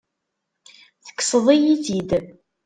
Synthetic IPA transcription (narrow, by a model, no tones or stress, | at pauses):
θə̥kːsəðˤijiθid̪